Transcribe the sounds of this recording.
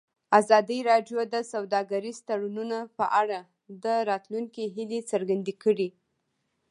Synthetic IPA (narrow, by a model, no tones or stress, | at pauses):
azɑd̪əɾɑɖjod̪əsawd̪ɑɡaɾizt̪aɽununapəʔaɽa | d̪əɾɑt̪luŋkiɦilet͡səɾɡand̪ekəɽi